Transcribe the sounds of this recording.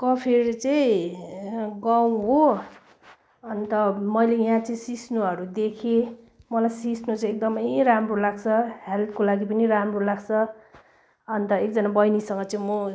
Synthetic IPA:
kʌpʰeɾt͡sʌĩ | ɡaw̃ɦo | ʌnt̪ʌmʌjlejãt͡sʌ̃sisnuʌɾud̪ekʰe | mʌlajsisnut͡sãj̃ek̚d̪ʌmʌjɾamrolaɡt͡sʰʌhalt̪kolaɡipʌniramrolaɡt͡sʰʌ | ʌnt̪ʌekd͡zʌnabʌjnisʌŋɡʌt͡saĩmʌ

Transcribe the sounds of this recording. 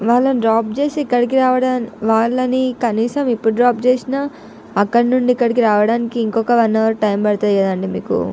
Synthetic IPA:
ʋaːɭːɐniɖɾaːp̚t͡ʃeːsikːɐɽik̬iɾaːʋɐɽaːnʋaːɭːɐnikɐniːsɐmipːuɽɖɾaːp̚t͡ʃeːsinɐ | ɐkːɐɽinuɳɖikːɐɽik̬iɾaːʋɐɽaːnikiːŋkɔkɐʋɐnːɐʋɾuʈɐjmbɐɽt̪aːikɐd̪ɐɳɖimḭːkṵ

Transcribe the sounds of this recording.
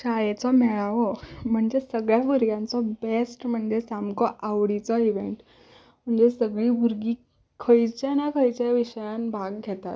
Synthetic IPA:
ɕajet͡sɔmɛɭaʋɔm̤əɳd͡zesəɡɭjabuɾɡjãnt͡sɔbesʈm̤əɳd͡zesamkɔʔaʋɽit͡sɔiʋeɳʈ | m̤əɳd͡zesəɡɭiːbʱuɾɡiː | kʰəjt͡ɕjanakʰəjt͡ɕaʋiɕjanbʱaɡɡʱet̪a̰t̪

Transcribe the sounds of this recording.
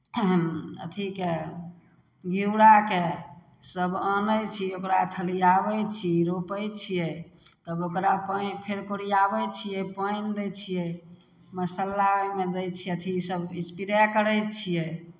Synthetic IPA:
ə̰t̪ʰike | ɡiuɽake | səbənəjt͡ʃʰiokɾat̪ʰəlijabɛt͡ʃʰiɾopəjt͡ʃʰijɛt̪əbokɾapəpʰeɾkoɾijabɛt͡ʃʰijɛpəjnd̪ɛjt͡ʃʰijɛ | məsəlːamed̪ɛjt͡ʃʰiət̪ʰisəbispiɾakəɾəjt͡ʃʰijɛ

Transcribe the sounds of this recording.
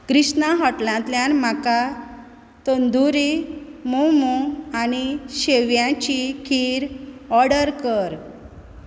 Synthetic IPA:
kɾiɕnaɦɔʈlãt̪ljanm̤aka | t̪ənd̪uɾimomuaniɕeʋjãt͡ɕikʰiɾɔɾɽəɾkəɾ

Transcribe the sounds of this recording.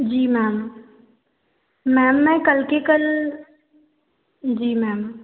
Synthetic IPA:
d͡ʒiːmɛːm | ɛːmːɛ̃kəlkekəl | d͡ʒiːmɛːm

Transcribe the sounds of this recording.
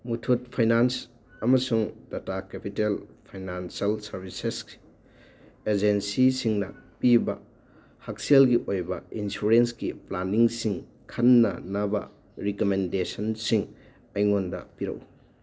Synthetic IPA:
mutʰut̚pʰajnans | ɐmɐsuŋdatakepitelpʰajnansɐlsɐɾbʱisesɡi̥ | ed͡ʒensisiŋnɐpibɐ | hakselɡiʔojbɐinsuɾenskiplaniŋsiŋ | kʰɐnːɐ̰nɐbɐ̰ | ɾikomendesɐnsiŋ | ɐjŋondɐ̰piɾɐ̰w

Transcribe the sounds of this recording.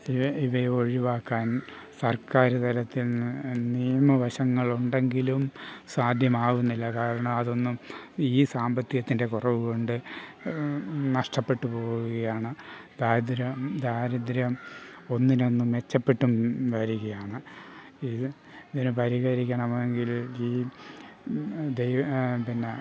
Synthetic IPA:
iɐiʋɐo̞ɻiʋaːkːaːn | sɐrkaːɾɨt̪ɐɾɐt̪ːilnnijɐmɐʋɐɕɐŋːɐɭuɳɖe̞ŋɡilumsaːd̪ʱjɐmaːɣunːilːɐkaːɾɐɳɐmɐðo̞nːumiːsaːmbɐt̪ːijɐt̪ːinde̞kurɐʋɨko̞ɳɖɨ | nɐʂʈɐpːe̞ʈːupo̞ːɣuɣɐjaːɳɨd̪aːɾd̪ɾɐmd̪aːɾɐd̪ɾjɐmo̞nːino̞nːumʋe̞t͡ɕːɐpːe̞ʈːumʋɐɾuɣɐjaːɳɨ | i | ðinɨpɐɾiɣɐɾikʲːɐɳɐmeŋɡiliː | d̪ejpinːe

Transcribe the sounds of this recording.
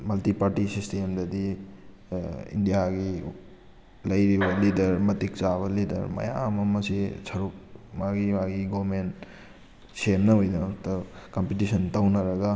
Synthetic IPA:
mɐltipaɾtisistemdɐdi | ḭndijaɡi | lɐjɾibɐlidɐɾmɐtik̚t͡ʃaβɐlidɐ̰ɾmɐ̰ja̰mɐmɐsisʰɐɾuk̚maɡimaɡiɡomen | semnɐɦojdɐtɐkɐmpitisɐntɐwnɐɾɐɡɐ

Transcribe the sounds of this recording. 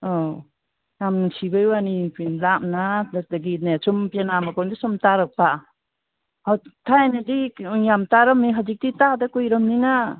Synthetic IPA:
ɔ | jamsibɯjwanipinlamnad̚daɡinasumpienamakɔndisɔmtaɾɔk̚pa | atʰajnadijamtaɾɔmiɦazik̚ditadakujɾɔmnina

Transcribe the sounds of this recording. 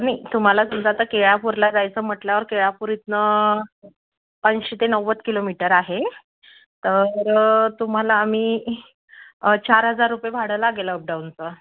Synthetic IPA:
nit̪um̤alasəmd͡zat̪əkeɭjapuɾlad͡zajt͡səːm̤əʈljaʋəɾkeɭapuɾit̪nə | pand͡ʑɕet̪enəʋət̪kilomiʈəɾaɦe | t̪əɾt̪um̤alaːm̤iː | t͡ɕaɾɦəd͡zaɾːupjebʱaɽ̤əlaɡeləːp̚ɖawnt͡sə

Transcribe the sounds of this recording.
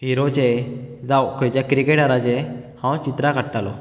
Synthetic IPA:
ɦiɾot͡ɕed͡zawkʰɔjt͡ɕjakɾikeʈaɾat͡ɕehãwt͡ɕit̪ɾakəɽt̪alɔ̰

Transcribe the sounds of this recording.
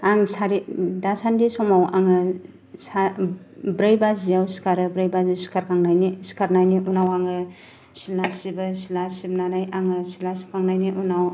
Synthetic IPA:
aŋsaɾidasandisɔmawa̰ŋɯ | sa | bɾajbazijawsi̥kaɾɯbɾajbazɯsi̥kaɾkaŋnajnisi̥kaɾnajniʔunawaŋɯ | silasibɯsilasibnanajaŋɯsilasi̥pʰaŋnajniʔunaw

